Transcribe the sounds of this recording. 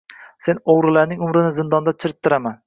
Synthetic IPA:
se̞noʁɾɪlaɾnɪŋʊmɾɪnɪzɪnd̪ɒnd̪at͡ʃʰɪɾɪt̪ʰːɪɾaman

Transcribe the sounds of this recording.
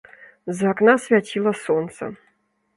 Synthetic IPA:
zaknasvʲatʰʲilˠɐsont̪sə̰

